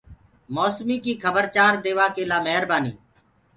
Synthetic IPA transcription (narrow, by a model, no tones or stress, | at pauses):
moːsmiːkiːkʰəbəɾt͡ʃaːɾd̪eːʋaːkeːlaːmɛɦɾbaːnḭː